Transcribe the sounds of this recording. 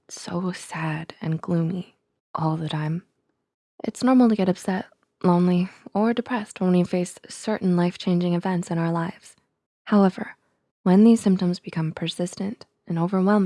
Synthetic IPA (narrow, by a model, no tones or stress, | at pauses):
soʊsæɾɨ̃nɡlumi | ʔɔlˠðɨtʰãɪ̃m | ʔɨ̰tsnɔɹml̩ˠtʰɨɡɛɾʌpsɛt̚ | lõʊ̃nliə˞dɨpʰɹ̥ɛst̚wə̃nwifeɪssɜ˞ʔn̩laɪft͡ʃʰẽɪ̃nd͡ʒɪ̃ŋɨvɛ̃ntsɨ̃ɾ̃aʊə˞laɪvz̥ | haʊɛvə̰˞ | wɨ̃nðiz̥sɪ̃mp̚tə̃mzbɨkʰʌ̃mpʰə˞sɪstɨ̃nt | ɨ̃noʊvə˞wɛlˠm